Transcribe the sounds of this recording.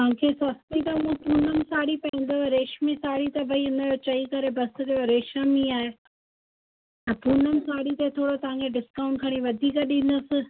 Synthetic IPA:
ãkʰesɐst̪it̪ɐũə̃puːnəmsaːɽipɐĩnd̪əɾeːʃmisaːɽit̪ɐʋɐɦiʊ̃najot͡ɕɐikɐɾebɐsɪkejoɾeːʃəmiaːɦe | ɐ̃puːnəmsaːɽit̪et̪ʰoːɽot̪ɐʋ̤ãkʰeɖɪskaːʊ̃ɳʈkʰɐɽ̃iʋɐd̪ʱiːkəɗĩn̆d̪ʊsɪ

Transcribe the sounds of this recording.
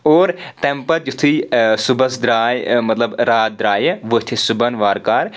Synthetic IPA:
oːɾt̪ɛ̃mpɐɾd͡ʒut̪ʰiːsubɐsd̪ɾaːjmɐt̪lɐbɾaːt̪̚d̪ɾaːjʋət̪ʰisʊbɐnʋaːɾkaːɾ

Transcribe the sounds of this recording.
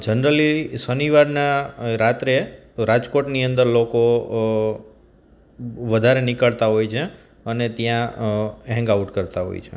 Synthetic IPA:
d͡ʒənɾəlisəniʋaɾnaɾat̪ɾe | ɾad͡ʒkoʈniənd̪əɾloko | ʋəd̪ʱaɾenɪkəɭt̪aɦojt͡ʃʰe | ənet̪jãɦɛ̃ŋɡauʈkəɾt̪aɦo̰jt͡ʃʰḛ

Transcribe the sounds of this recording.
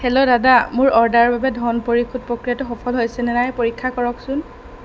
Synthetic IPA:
kʰɛlɔdadamʊɹɔɹdaɹbabɛdʱɔnpoɹikʰud̚pɹokɹijatʊxɔpʰɔlɦojsɛnɛnajpoɹikʰːakɔɹɔksʊn

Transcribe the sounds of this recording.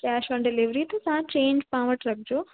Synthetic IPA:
kɛːʃʋə̃ɳɖɪliʋɾit̪ɐsãt͡ɕẽːɲd͡ʑpãːʋəʈɾɐkʰd͡ʑoː

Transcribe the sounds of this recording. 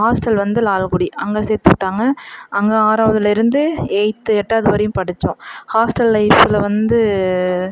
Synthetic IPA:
aːsʈɐlʋɐnd̪ɯlaːlkʊɽiɐŋɡeːsɛːɾt̪ːɯkʈːaːŋɡɐʔɐŋɡeaːɾaːʋɐðɪlɪɾɯnd̪ɯɛɪt̪ːɯɛʈːaːðɯʋɐɾɐjɯ̃mpɐɽɯt͡ʃːʊ̃haːsʈɐlːɐɪfɪlɐʋɐnd̪ɯ

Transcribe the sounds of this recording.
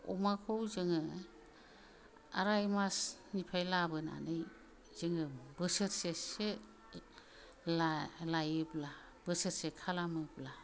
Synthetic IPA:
ɔ̰makʰowzɯŋɯ | a̰ɾajmasnipʰajlabɯna̰nɯj | zɯŋɯbɯsɯɾsese | llajɯbla | b̥ɯsɯɾsekʰalamɯbla

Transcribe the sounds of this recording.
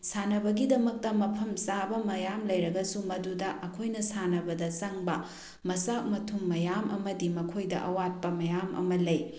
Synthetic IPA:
sanɐbɐɡidɐmɐk̚tɐmɐpʰɐmsabɐmɐjamlɐjɾɐɡɐsumɐdudɐʔɐkʰojnɐsanɐbɐdɐsɐŋbɐ | mɐsak̚mɐtʰumːɐjamʔɐ̰mɐdimɐkʰojdɐ̰ʔɐwat̚pɐmɐjamʔɐ̰mɐlɐj

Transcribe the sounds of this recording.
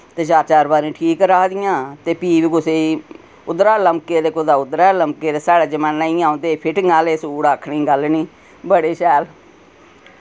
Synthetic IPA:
t̪eːt͡ʃaːɾt͡ʃaːɾbaːɾĩːʈʰiːkɾaːkd̪ɪjãːt̪eːpiːʋiːkʊseːi | ʊd̪ɾaːləmkeːd̪eːkʊd̪aːʊd̪ɾaːləmkeːd̪eːsaːɽaːd͡ʒəmaːnːãːĩːãːõnd̪eːpʰɪʈnaːleːsuːɽaːkʰɳiːɡəlniː | bəɽeːʃɛːl

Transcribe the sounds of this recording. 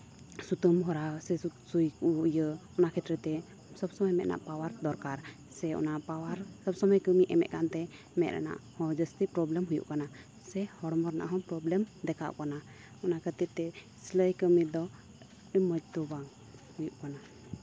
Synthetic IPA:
sut̪əmɦɔɾasɛusujkujəɔnakʰɛt̪ɾɛt̪ɛ | səbsɔməjmɛt̪̚nʔa̰ʔpawaɾd̪ɔɾkaɾ | sɛɔ̰napawaɾsəbsɔməjkəmiʔɛmɛ̰ʔ̪̚kant̪ɛ | mɛt̪̚ɾa̰na̰ʔhɔ̃d͡ʒəst̪ipɾɔblɛmɦujṵʔkana | sɛhɔɽmɔɾna̰ʔaɦɔpɾɔblɛmd̪ɛkʰaʔkana | ɔnakʰət̪it̪̚t̪ɛ | sləjkəmid̪ɔ | məd͡ʒt̪ɔbaŋ | hujuʔkana

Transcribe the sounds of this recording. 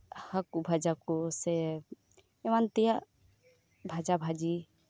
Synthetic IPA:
hakubʱad͡ʒakɔsɛ | ɛmant̪ɛja | bʱad͡ʒabʱad͡ʒi

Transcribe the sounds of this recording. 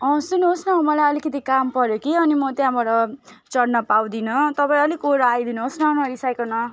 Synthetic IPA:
ʌ̃sunuɦosnʌɦomʌlajʌlikʌt̪ikampʌɾjokiʌnimʌt̪jãbaʈʌ | t͡sʌɽnʌpaw̃d̪inʌt̪ʌpaĩʌlikoɾʌajd̪inuɦosnʌonʌɾisajkonʌ

